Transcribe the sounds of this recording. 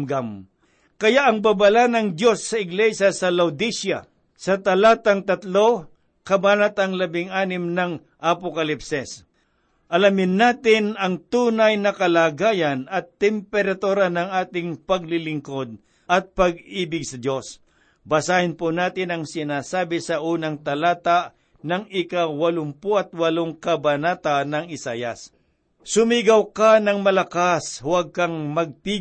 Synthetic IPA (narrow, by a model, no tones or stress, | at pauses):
mɡam | kɐjaʔɐŋbabalanɐŋd̪jo̞sːɐɪɡlɛʃjasɐlɐwd̪iʃjɐ | sɐt̪ɐlaːt̪ɐŋt̪ɐt̪lo̞ | kɐbaːnat̪ɐŋlɐbɪŋaːnɪmnɐŋ | ʔɐpokɐlɪpsɛs | ʔɐlamɪnːaːt̪ɪnɐŋt̪uːnɐjnɐkɐlaːɡaːjɐnɐt̪ːɛmpɛɾɐt̪uːɾɐnɐŋaːt̪ɪŋpɐɡ̚lɪlɪŋko̞d̪̚ | ʔɐt̪̚pɐɡ̚iːbɪɡ̚sɐd̪jo̞s | bɐsaːhɪnpʊnaːt̪ɪnɐŋsɪnaːsaːbɪsɐʔuːnɐŋt̪ɐlaːt̪aʔ | nɐŋɪkawɐlʊŋpʊʔɐt̪̚wɐloŋkɐbɐnaːt̪anɐŋɪsaːjɐ̰s | sʊmiːɡɐwkanɐŋmɐlɐkaswaɡ̚kɐŋmɐɡ̚pi